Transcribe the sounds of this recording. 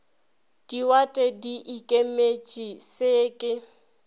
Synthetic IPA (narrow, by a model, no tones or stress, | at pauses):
d̥iwatʼɛdiʔikʼemet͡ʃʼisɪːkʼɪ